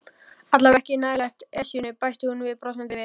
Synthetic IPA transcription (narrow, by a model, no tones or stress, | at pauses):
at̪lavɛhcɪnaːjlajht̪ɛsjʏnʏpajht̪ɪhunvɪðpɾɔsɛmp̪ɪvɪ